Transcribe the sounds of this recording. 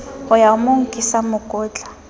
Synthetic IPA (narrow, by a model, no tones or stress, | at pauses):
ɔjamuŋ̩kʼisamʊkʼʊːt͡ɬʼḁ